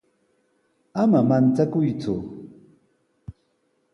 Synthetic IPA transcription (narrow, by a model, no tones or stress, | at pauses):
amamant͡sakʊjt͡sʊ̰